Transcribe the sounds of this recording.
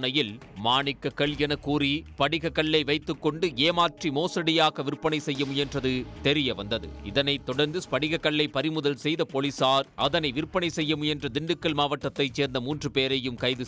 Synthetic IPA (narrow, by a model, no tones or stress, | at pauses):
nɐjɪl | maːnɪkːɐkːɐɭɛnɐkuːɾipɐɽɪɣɐkːɐɭːɐɪʋɐɪt̪ːɯkːɔɳɖɯeːmaːʈrimoːsɐɽɪjaːɣɐʋɪɾpːɐɳɐɪsɛjːɐmɯjɛndrɐðɯt̪ɛɾɪjɐʋɐnd̪ɐðɯ̰ɪðɐnɐɪt̪ːɔɽɐɾnd̪ɯpɐɽɪɣɐkːɐɭːɐɪpɐɾɪmɯðɐlsɛjðɐpolisaːɾʔɐðɐnɐɪʋɪɾpːɐɳɐɪsɛjːɐmɯjɛndrɐd̪ɪɳɖɯkːɐɭmaːʋɐʈːɐt̪ːɐɪt͡ʃːeːɾnd̪ɐmuːndrɯpeːɾɐjɯmkɐɪðɯ